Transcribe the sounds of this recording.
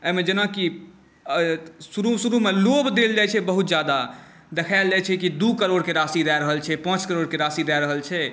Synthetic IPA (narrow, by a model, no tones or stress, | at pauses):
əmed͡ʒənaki | suɾusuɾumelobd̪eld͡ʒajt͡ʃʰɛbəɦut̪̚d͡ʒjad̪a | d̪ekʰaɪld͡ʒat͡ʃʰɛkid̪ukəɾoɽkeɾasiɾɛɾəɦəlt͡ʃʰɛpãt͡ʃkəɾoɽkeɾasiɾɛɾəɦəlt͡ʃʰɛ